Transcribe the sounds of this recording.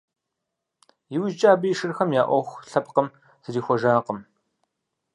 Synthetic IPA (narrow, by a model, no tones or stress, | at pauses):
jɪwʒt͡ʃʼaːbɨjʃɨrxɐmjaːʔʷɔxʷɬɐp̚ʼqəm | zɨriːxʷɔʒaːqəm